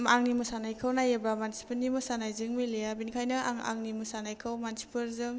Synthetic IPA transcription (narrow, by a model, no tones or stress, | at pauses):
aŋnimɯsanajkʰɯwnajebɾamansi̥pʰɯɾnimɯsanajzɯŋmilejabinkʰajnɯa̰ŋa̰ŋnimɯsanajkʰɯwmansi̥pʰɯɾzɯŋ